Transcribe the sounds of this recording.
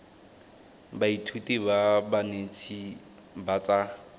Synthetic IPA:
baitʰutibabanet͡sʰi | bat͡sa

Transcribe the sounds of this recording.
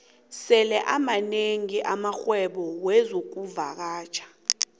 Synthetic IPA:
sɛlɛʔamaneŋiʔamaxwɛɓɔwɛzok̬uvak̬aːt͡ʃʰḁ

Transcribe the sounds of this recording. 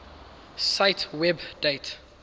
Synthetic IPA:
saɪtʰwɛbdet

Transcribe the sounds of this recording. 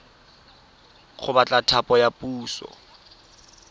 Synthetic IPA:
χʊbat͡ɬʼatʰapʼɔjapʼuːsɔ̰

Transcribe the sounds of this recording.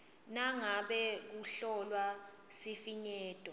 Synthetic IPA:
naŋaɓɛk̬uɬɔlwa | sifiɲɛːtʼɔ

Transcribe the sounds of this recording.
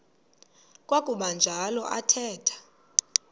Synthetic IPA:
kʼwakʼuɓand͡ʒʱalɔʔatʰɛːtʰḁ

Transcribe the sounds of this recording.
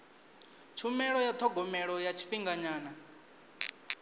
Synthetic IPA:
t͡ʃʰumɛɺɔjat̪ʰɔɡʱɔmɛɺɔjat͡ʃʰi̥ɸiŋɡaɲaːna

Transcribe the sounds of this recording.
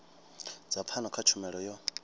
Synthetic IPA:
d͡zapʰanɔkʰat͡ʃʰumɛɺɔjɔ

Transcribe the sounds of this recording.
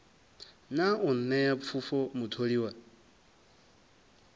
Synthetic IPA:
naun̩nɛjap̪fʰufɔmutʰoɺiwa

